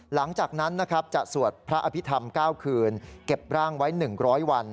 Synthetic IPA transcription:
la˩˦ŋt͡ɕaː˨˩k̚na˦˥nːa˦˥kʰɾa˦˥p̚t͡ɕa˨˩ʔsu˨˩ət̪̚pʰɾa˦˥ʔa˧pʰi˦˥t̪ʰa˧mkaː˥˩wkʰɯː˧nke˨˩p̚ɾaː˥˩ŋwa˦˥jnɯ˨˩ŋɾɔː˦˥jwa˧n

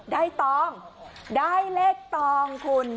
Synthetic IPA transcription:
daː˥˩jt̪ɔː˧˩ŋdaː˥˩jle˦˥˩k̚t̪ɔː˧ŋkʰu˧n

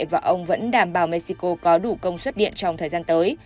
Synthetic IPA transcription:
vaː˨˩ʔə˧wŋ͡mvə̰˧˥nɗaː˧˩mɓaː˨˩wme˧t̚si˧ko˧kɔ˨˦ɗu˧˩kə˧wŋ͡mswə˦˥t̚ɗḭ˧˨ənt͡ɕɔ˧wŋ͡mt̪ʰəː˨˩jzaː˧nt̪əː˨˦j

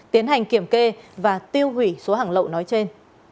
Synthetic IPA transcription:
t̪i˨˦ənɦa˨˩jŋ̟ki˧˩əmke˧vaː˨˩t̪i˧əwhwi˧˩so˨˦ɦaː˧˩ŋlə̰˧˨wnɔ˨˦jt͡ɕe˧n

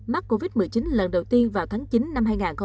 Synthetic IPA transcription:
ma˦˥k̚ko˧vi˦˥t̚mɨ˨˩əjt͡ɕi˨˦nlə˨˩nɗə˨˩wt̪i˧ənvaː˨˩wt̪ʰaː˨˦ŋt͡ɕi˨˦nːa˧mɦaː˧jŋaː˨˩nxə˧

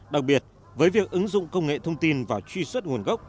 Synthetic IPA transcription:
ɗa˨˩k̚ɓi˨˩ət̚ | vəː˨˦jvi˨˩ək̚ʔɨ˨˦ŋzʊ̰˧˨ŋ͡mkə˧wŋ͡mŋḛ˧˨t̪ʰə˧wŋ͡mt̪i˧nvaː˨˩wt͡ɕwi˧swə˦˥t̚ŋu˨˩ənɣə˦˥k͡p̚

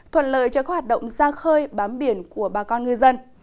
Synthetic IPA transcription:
t̪ʰwə̰˧˨nlə̰ː˧˨jt͡ɕɔ˨˦˥kh̚waː˨˩t̚ɗə̰˧˨ŋ͡mzaː˧xəː˧jɓaː˨˦mɓi˧˩ənku˧˩əɓaː˨˩kɔ˧nŋɨ˧zə˧n

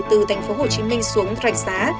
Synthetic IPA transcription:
t̪ɨ˨˩t̪ʰa˨˩jŋ̟fo˨˦ɦo˨˩t͡ɕi˨˦mï˧ŋ̟su˨˦əŋzwa̰˧˩k̚zaː˨˦

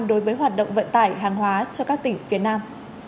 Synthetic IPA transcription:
mɗo˨˦jvəː˨˦jɦwaː˨˩t̚ɗə̰˧˨wŋ͡mvə̰˧˨nt̪aː˧˩jɦaː˨˩ŋɦwaː˨˦t͡ɕɔ˧kaː˦˥k̚t̪ï˧˩ŋ̟fi˨˦ənaː˧m

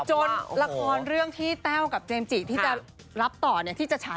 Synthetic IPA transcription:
t͡ɕo˧nla˧kʰɔː˧nɾɯ˥˩əŋt̪ʰiː˥˩t̪ɛː˥˩wka˨˩p̚t͡ɕeː˧mt͡ɕiː˨˩t̪ʰiː˥˩t͡ɕa˨˩ | ɾa˦˥p̚t̪ɔː˨˩ni˥˩t̪ʰiː˥˩t͡ɕa˨˩t͡ɕʰa˦

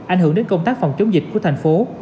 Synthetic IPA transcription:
ʔa˧˩jŋhɨ˧˩əɗe˨˦nkə˧ŋ͡mt̪aː˦˥k̚fa˨˩wŋ͡mt͡ɕə˨˦wŋ͡mzï˨˩k̟̚ku˧˩ət̪ʰa˨˩jŋ̟fo˨˦

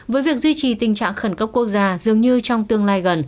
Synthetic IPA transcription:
vəː˨˦jvi˨˩ək̚zwi˧t͡ɕi˨˩t̪ï˨˩ŋt͡ɕa̰ː˧˨ŋxə˧˩nkə˦˥p̚kːu˦˥ək̚zaː˧zɨ˨˩əŋɲɨ˧t͡ɕɔ˧wŋ͡mt̪ɨ˧əŋlaː˧jɣə˨˩n

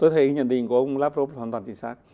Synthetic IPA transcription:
t̪o˧jt̪ʰə˨˦jɲə̰˧˨nɗḭ˧˨ŋku˧˩ə˧˨wŋ͡mlaː˦˥p̚zo˦˥waː˧˩nt̪wːt͡ɕi˧˩ŋsaː˦˥k̚

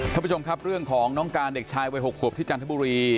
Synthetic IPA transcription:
a˥˧mpu˦˥˩t͡ɕo˧mkʰa˦˥p̚ɾɯ˥˩əŋkʰɔː˩˦ŋnɔː˦˥ŋkaː˧nde˨˩k̚t͡ɕʰaː˧jwa˧jɦo˨˩k̚ʰːu˨˩p̚t̪ʰi˥˩t͡ɕaː˧nt̪ʰbuː˧ɾiː˧

